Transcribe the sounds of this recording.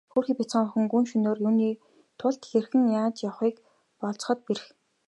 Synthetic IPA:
xuːrxipʲit͡sχə̆ŋʊxɘ̆ŋɡunʃɵnoːrjuːniː | t̪ʰʊɮt̪xerxɘ̆ŋjaːt͡ɕjawχiːk | pɔɮt͡s̆χɞ̆t̪̚peɾɘ̆x

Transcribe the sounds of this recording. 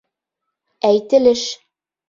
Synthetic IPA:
æjt̪ɘ̆lɘʃ

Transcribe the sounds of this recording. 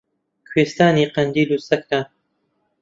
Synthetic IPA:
kʰweːst̪aːniːqɐnd̪iːluːsɐk̚na

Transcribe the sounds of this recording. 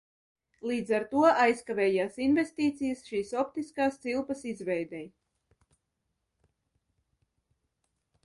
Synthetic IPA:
lˠiːd̪zaɾt̪uɔʔajskavʲɛːjaːsinvʲest̪iːt̪sijɐsʃiːsɔpt̪iskaːst̪silˠpɐsizvɛjd̪ɛj

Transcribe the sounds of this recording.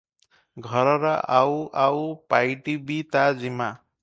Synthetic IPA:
ɡʱʌɾʌɾʌʔawawpajʈibit̪ad͡zima

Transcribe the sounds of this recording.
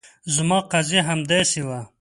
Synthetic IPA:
zmɑːqazeɦamd̪eːsiwa

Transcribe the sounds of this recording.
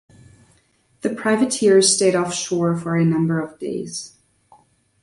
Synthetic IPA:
ðɨpʰɹ̥aɪvɨtʰɪɹz̥steɪɾɔfʃɔɹfə˞ɨnʌ̃mbə˞ʌvdḛɪz̥

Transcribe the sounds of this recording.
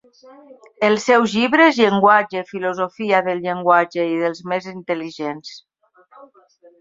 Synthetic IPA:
əlˠsɛwzʎiβɾezʎəŋɡwad͡ʒefilozofiaðəlʎəŋɡwad͡ʒeiðəlˠzmezint̪əliʒens

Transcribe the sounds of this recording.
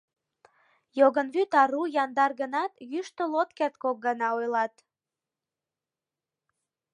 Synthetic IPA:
joɣənβyt̪ɑɾujɑnd̪ɑrɣənɑt̪jyʃt̪əlot̪kert̪kok̚ɡɑnɑojlɑt̪

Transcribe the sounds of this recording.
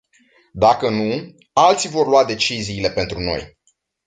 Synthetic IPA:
d̪akənu | alt̪sivo̞rluwad̪e̞t͡ʃiziːle̞pe̞nt̪ɾuno̞̰j

